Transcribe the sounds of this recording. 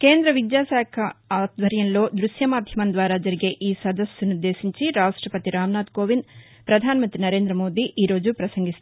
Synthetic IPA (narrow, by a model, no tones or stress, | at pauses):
ke̞ːnd̪ɾɐʋid̪jaːsaːkʰɐaːd̪ʋɐɾjɐnlo̞ːd̪ɾuʃjɐmaːd̪ʱjɐmɐnd̪ʋaːɾaːd͡ʒɐɾiɡe̞ːʔiːsɐd̪ɐsːunud̪ːe̞ːsiɲt͡ʃiɾaːʂʈɾɐpɐt̪iɾaːmnaːd̪ko̞ːʋin | pɾɐd̪ʱaːnɐmɐnt̪ɾinɐɾe̞ːnd̪ɾɐmo̞ːd̪iːʔiːɾo̞ːd͡ʒupɾɐsɐŋɡist̪u